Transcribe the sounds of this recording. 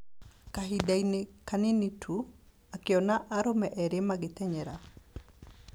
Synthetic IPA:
kaɦidajnɪkaninitʰu | akɪɔnaʔaɾɔmɛʔɛɾɪmaɡɪt̪ɛɲɛɾa

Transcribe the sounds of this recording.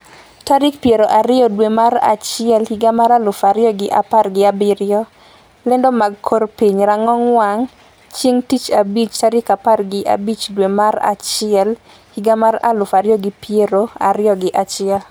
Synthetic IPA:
taɾɪkpjeɾoʔaɾɪjɔdwemaɾa̰t͡ʃɪjɛlhiɡamaɾalʊfaɾɪjɔɡɪʔaparɡɪabɪɾɪjɔ | lɛndɔmaɡkʰorpiɲɾaŋɔŋwaŋ | t͡ʃjeŋtit͡ʃabit͡ʃtaɾɪkaparɡɪʔa̰bit͡ʃdwemaɾa̰t͡ʃɪɛl | hiɡamaɾa̰lʊfaɾɪjɔɡɪpjeɾoaɾɪjɔɡɪʔat͡ʃɪɛl

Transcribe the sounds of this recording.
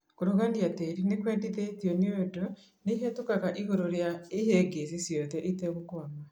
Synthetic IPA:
koɾoɣandiateɾinekwɛːndiðetjɔneoodo | neɦetokaɣaʔiɣoɾoɾjaeheɡes̬isjɔðɛʔetɛɣokoama

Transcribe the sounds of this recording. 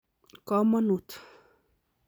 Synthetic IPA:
kɔmanut̪

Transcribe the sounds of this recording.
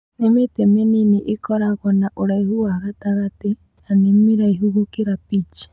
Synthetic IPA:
nemetemeniniʔikɔɾaɣɔnaʔoɾaihuwaɣataɣate | animiɾaiɦuɣukiɾapit͡ʃi̥

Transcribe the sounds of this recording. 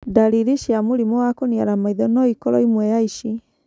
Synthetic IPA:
daɾiɾiʃjamoɾimɔwakoniaɾamaiðɔnɔikɔɾɔ̰imwɛjaiʃi

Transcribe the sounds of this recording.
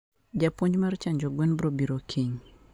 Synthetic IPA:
d͡ʒapoɲd͡ʒmaɾt͡ʃaɲd͡ʒoɡwɛnbɾobiɾokʰiɲ

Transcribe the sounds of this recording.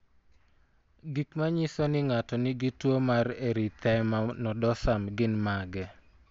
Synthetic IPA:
ɡikmaɲɪsɔnɪŋatɔnɪɡɪtwomareɾit̪ɛmanɔdɔsamɡɪnmaɡɛ

